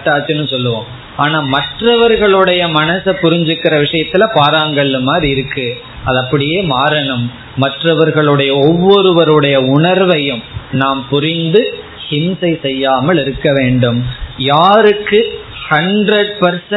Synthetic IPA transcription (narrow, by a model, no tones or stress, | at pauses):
ʈːaːt͡ʃːɯnːɯsɔlːɯʋõː | aːnaːmɐʈrɐʋɐɾɣɐɭɯɽɐjɐmɐnɐsɐpːʊɾɪɲd͡ʒɯkːɪrɐʋɪʂɐjɐt̪ːɪlɐpaːɾaːŋɡɐɭɪlɯmːaːd̪ɾiɪɾɯkːɯ | ɐðɐpːɐɽɪjeːmaːɾɐɳɐmː | ɐʈrɐʋɐɾɣɐɭɯɽɐjɐɔʋːɔɾɯʋɐɾɯɽɐjɐʊɳɐɾʋɐjɯmnaːmpʊɾɪnd̪ɯ | hɪmsɐɪsɛjːaːmɐɭɪɾɯkːɐʋeːɳɖɯmjaːɾɯkːɯ | hɐndrɐɽpɐɾs